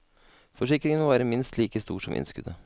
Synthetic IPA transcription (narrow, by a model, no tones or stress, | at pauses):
fɔʂɪkɾɪŋənʋæːɾəmɪnst̪liːkəst̪ṵːʂɔmʔɪ̰nskʉd̪ə